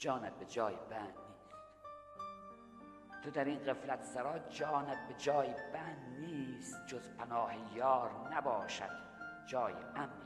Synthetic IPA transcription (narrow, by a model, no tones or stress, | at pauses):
d͡ʒɒːnæt̪̚bed͡ʒɒːjebænd̪niːs | t̪ʰod̪æɾiːnɢeflæt̪sæɾɒːd͡ʒɒːnæt̪̚bed͡ʒɒːjbænd̪niːst̪d͡ʒozpʰænɒːhejɒːɾnæbɒːʃæ̰d̪̥ | d͡ʒɒːjeʔæmɾi